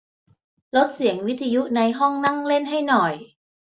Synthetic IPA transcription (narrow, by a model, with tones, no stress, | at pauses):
lo˦˥t̪̚si˨˩˦əŋwi˦˥t̪ʰːa˧ju˦˥ʔna˧jɦɔ˥˩ŋna˥˩ŋle˥˩nɦa˥˩jnɔ˨˩j